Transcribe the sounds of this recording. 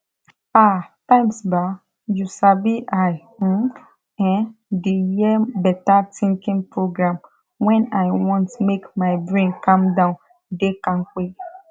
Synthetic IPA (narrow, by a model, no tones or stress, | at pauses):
atãɪ̃msba | jusabiʔaj̩ | ɛ̃ndijɛbɛtatʰĩŋkĩnpɹoɡɹãm | wɛ̃naɪjwɔ̃ntmekmaɪbɹẽnkãmdãʊ̃n | dekãnk͡pe